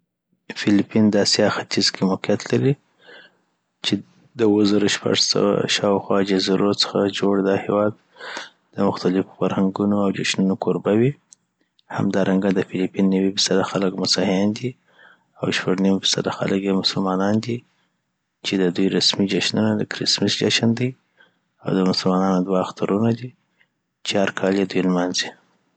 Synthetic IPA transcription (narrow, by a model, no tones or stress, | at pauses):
fɪlipind̪ɑsɑxat̪izkʰemʊqijat̪laɾi | t͡ʃe | d̪əwəzɑɾoʃpa̰ʐsa̰wa̰a̰ʃɑwxwɑd͡ʒaziɾot͡sə̥xad͡ʒoɽd̪ɑhewɑd̪̚ | d̪əmʊxt̪alɪfo̥faɾhaŋɡunoawd͡ʒaʃnunokoɾbawi | ha̰md̪ɑɾaŋɡad̪əfɪlipinːəwifi̥sad̪axaləkmʊsahɪnd̪i | awʃpaɡnimfi̥sad̪axa̰ləkjemʊsʊlmɑnɑnd̪i | t͡ʃed̪əd̪ujɾasmid͡ʒaʃnunad̪əkɾɪsmɪsd͡ʒaʃand̪i | a̰wd̪əmʊsəlmɑnɑnod̪waxt̪aɾunad̪i | t͡ʃaɾkʰɑljed̪ujlmanzi